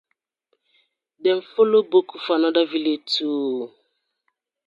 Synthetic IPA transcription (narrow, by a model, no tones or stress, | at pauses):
dɛɱ̩folobokufanadaviletuː